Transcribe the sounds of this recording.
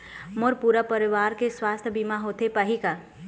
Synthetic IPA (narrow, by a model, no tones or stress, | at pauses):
mʊɾpuɾəpəɾɪʋaːɾkeswaːst̪ʰəbimaɦoːt̪epəɦika